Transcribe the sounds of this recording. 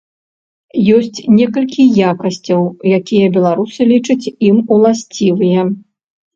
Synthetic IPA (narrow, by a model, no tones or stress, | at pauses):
jɔsʲt͡sʲnʲɛkɐlʲkʲijakɐsʲt͡sʲɐwjakʲijɐbʲɛlˠaɾusɨlʲit͡ʂɐt͡sʲimulˠasʲt͡sʲivɨjɛ